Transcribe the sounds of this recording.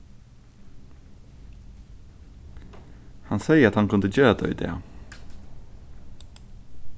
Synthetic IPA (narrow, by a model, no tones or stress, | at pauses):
hɑnsæɪəɾɑt̪hɑnkʉnd̪əd͡ʒøːd̪œ̰ʏḭd̪ḛː